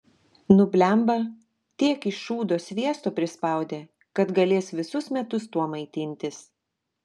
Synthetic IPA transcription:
nʊbʲlʲɛˑmbɐ | t̪ʲiɛkɪʃʃuːd̪oːsʲʋʲiɛst̪oːpʲɾʲɪspɐˑʊd̪ʲeː | kɐt̪ɡɐlʲeːsʋʲɪsʊsmʲɛt̪ʊst̪uɔmɐɪt̪ʲɪnʲt̪ʲɪs

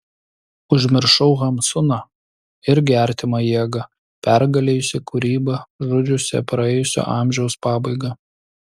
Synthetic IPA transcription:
ʊʒʲmʲɪɾʃɐʊɣɐmsʊnɐ | ɪɾɡʲæˑɾʲt̪ʲɪmɐjiɛɡɐ | pʲæɾɡɐlʲejʊsʲɪkʊɾʲiːbɐʒʊd͡ʒʲʊsʲɛ̰pɾɐɛːjʊsʲo̰ːʔɑˑmʲʒʲɛʊspɑːbɐɪɡɐ

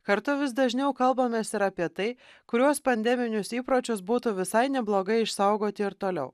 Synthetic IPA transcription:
kɐɾt̪ʊʋʲɪsd̪ɐʒʲnʲɛʊkɐlˠbɐmʲeːsɪɾɑːpʲiɛt̪ɐɪ | kʊɾʲuɔspɐnʲd̪ʲɛmʲɪnʲʊsiːpɾoːt͡ʃʲʊsbuːt̪ʊʋʲɪsɐɪnʲɛblˠoːɡɐɪɪʃsɐʊɡoːt̪ʲɪɪɾt̪oːlʲɛ̰ʊ

